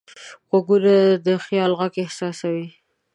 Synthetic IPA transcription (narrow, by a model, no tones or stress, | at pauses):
xoɡuɾad̪əxjɑlɣakɪhsɑsawi